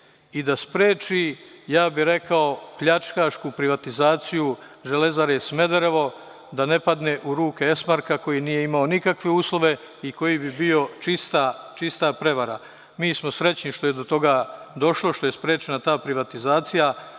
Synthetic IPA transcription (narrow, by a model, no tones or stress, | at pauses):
id̪aspɾeːt͡ʃijaːbiɾe̞kao̞pʎat͡ʃkaːʃkupɾiʋat̪izaːt̪siju | ʒe̞le̞zaɾjesme̞d̪eɾeʋo̞ | d̪ane̞pad̪neʔuɾuːkeesmaɾkako̞jinije̞imao̞nikakʋe̞uːslˠo̞ʋe̞ | iko̞jibibio̞t͡ʃist̪at͡ʃist̪apɾe̞ʋaɾa | miːsmo̞sɾe̞t͡ɕɲiʃt̪oje̞d̪o̞t̪o̞ɡad̪o̞ʃlˠo̞ʃt̪o̞je̞spɾe̞ːt͡ʃenat̪aːpɾiʋat̪izaːt̪sija